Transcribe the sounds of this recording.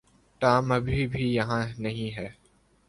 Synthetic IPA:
ʈaːmɐbʱibʱijɐɦãnɐɦĩɦɛː

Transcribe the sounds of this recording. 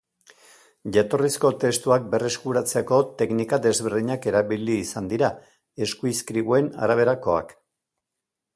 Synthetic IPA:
ʝat̪o̞risko̞t̪e̞st̪uak̚be̞reskuɾat͡seko̞t̪e̞knikad̪e̞zβeɾðiɲake̞ɾaβiliːsand̪iɾa | e̞skuiskɾiβue̞na̰ɾaβ̞e̞ɾako̞a̰k

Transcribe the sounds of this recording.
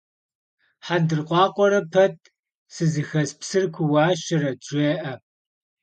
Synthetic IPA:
ħandɨrqʷɑːqʷɔɾɐpʰɐt̚ʰʼ | sɨzɨxɐspsɨrkʷʰʊwɑːɕɪɾɐt͡ʃʷʼeːʔɐ

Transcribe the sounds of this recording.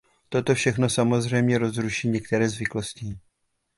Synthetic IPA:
t̪o̞t̪o̞fʃɛxno̞samo̞zr̝ɛjmɲɛɾo̞zɾuʃiːɲɛk̚t̪ɛɾɛːzvɪkloscɪ

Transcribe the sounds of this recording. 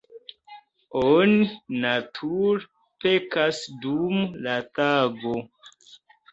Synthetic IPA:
oninatʰuɾ | pekasdumlataɡo

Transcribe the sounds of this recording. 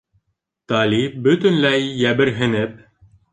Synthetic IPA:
t̪ɑlʲibɵt̪ɵ̆nlæjːæbɘ̆ɾɦɘ̆nɘp̚

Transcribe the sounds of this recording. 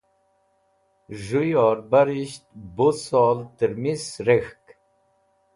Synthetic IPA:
ʒujɔːɾbaɾiɕt̪̚bosɔːlt̪əɾmisɾexk

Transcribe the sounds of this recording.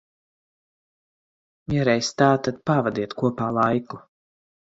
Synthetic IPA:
viɛɾɛjst̪aːt̪at̪̚pavad̪iɛt̪kuɔpaːlˠajku

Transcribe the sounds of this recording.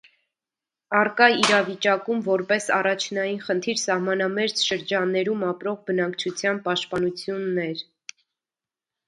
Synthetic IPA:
ɑrkɑiɾɑvit͡ʃɑkumvɔɾpɛsɑrɑt͡ʃʰnɑjinχənt̪ʰiɾsɑhmɑnɑmɛɾt͡sʃəɾd͡ʒɑnːɛɾumɑpɾɔʁbənɑkt͡ʃʰut͡sʰjɑnpɑʃt̪̚pɑnut͡sʰjunːɛɾ

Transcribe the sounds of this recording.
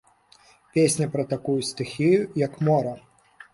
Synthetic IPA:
pʲesʲnʲɐpɾɐt̪akujust̪ɨxʲijujɐkmɔɾɐ

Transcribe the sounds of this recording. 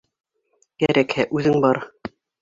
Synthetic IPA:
kæɾʔækhæʔʉðɘŋbɑɾ

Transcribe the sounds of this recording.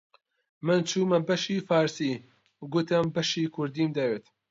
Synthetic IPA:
mɨnt͡ʃʰuːmɐnbɐʃiːfaːɾsiː | ɡut̪ɐmbɐʃiːkʰʊɾd̪iːmd̪ɐweːt̪

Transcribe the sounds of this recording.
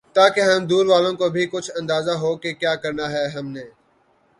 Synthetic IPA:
t̪aːkeɦəmd̪uːɾʋaːlõkoːbʱikʊt͡ʃʰɐ̃nd̪aːzaːɦoːkekjaːkəɾnaːɦɛːɦɐmneː

